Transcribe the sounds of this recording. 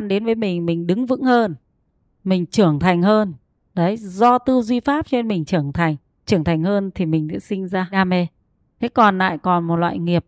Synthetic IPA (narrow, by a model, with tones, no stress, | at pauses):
nɗe˨˦nvəː˨˦jmï˨˩ŋ̟mï˨˩ŋ̟ɗɨ˨˦ŋvɨ̰˧˥ŋhəː˧n | mï˨˩ŋ̟t͡ɕɨ˧˩əŋt̪ʰa˨˩jŋ̟həː˧n | ɗə˨˦jzɔ˧t̪ɨ˧wzwi˧faː˦˥p̚t͡ɕe˧nmï˨˩ŋ̟t͡ɕɨ˧˩əŋt̪ʰa˨˩jŋ̟ | t͡ɕɨ˧˩əŋt̪ʰa˨˩ŋ̟həː˧nt̪ʰi˨˩mï˨˩ŋ̟ɗɨ̰˧˥sï˧ŋ̟zaː˧ɗaː˧me˧ | t̪ʰe˨˦kɔ˨˩nla̰ː˧˨jkɔ˨˩nmo˨˩t̚lwa̰ː˧˨jŋi˨˩əp̚